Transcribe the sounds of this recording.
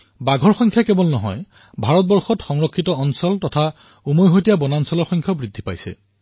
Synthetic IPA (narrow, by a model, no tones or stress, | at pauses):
baɡʱɔɹxɔŋkʰjakɛbɔlnɔɦɔ̰j | bʱaɹɔt̚bɔɹxɔtxɔŋɹɔkʰːitɔɔnsɔltɔtʰa | umojɦojtijabɔnansɔlɔɹxɔŋkʰjɔbɹidʱːipa̰jsɛ̰